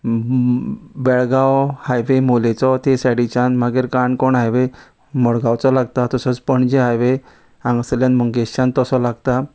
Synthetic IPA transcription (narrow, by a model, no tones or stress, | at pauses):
bɛɭɡawhajʋemolet͡sɔt̪esaɽit͡ɕãnmaɡeɾkaɳkoɳɦajʋe | mɔɽɡawt͡sɔlaɡt̪at̪ɔsɔt͡spəɳd͡ʑeɦajʋe | ãŋɡsljãnməŋɡeɕt͡ɕãnt̪ɔsɔlaɡt̪a